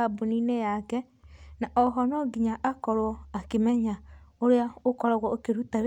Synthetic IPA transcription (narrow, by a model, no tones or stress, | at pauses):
aboninejakɛ | naʔɔɦɔnɔɡiɲaʔakɔɾwɔakemɛɲaoɾeaokɔɾaɣwɔokeɾutaɾ